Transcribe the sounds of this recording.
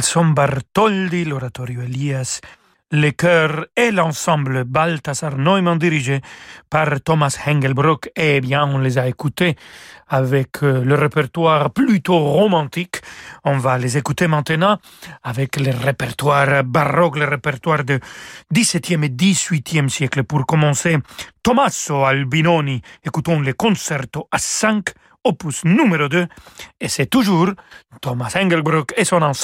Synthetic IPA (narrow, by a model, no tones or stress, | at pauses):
lsɔ̃mbaʁt̪ɔld̪ilɔɾat̪ɔɾjoelias | lekœʁelɑ̃sɑ̃bləbalt̪asaʁnɔemɑ̃d̪iɾiʒepaʁt̪ɔmashɛ̃ŋɡɛlbɾɔkebjɛ̃ɔ̃lezaekut̪eavɛkʰləʁepɛʁt̪waʁplyt̪oʁomɑ̃t̪ikɔ̃valezekut̪emɑ̃t̪ənɑ̃ | avɛkleʁepɛʁt̪waɾbaʁɔkleʁepɛɾt̪waʁd̪əd̪isɛt̪jɛmed̪izɥit̪jɛmsjɛkləpuɾkɔmɑ̃set̪omasoalbinoniekut̪ɔ̃lekɔ̃sɛɾt̪oasɛ̃ŋk | opusnumeɾod̪øesɛt̪uʒuɾt̪omasɛ̃ŋɡɛɾbɾɔkesɔ̃nɑ̃s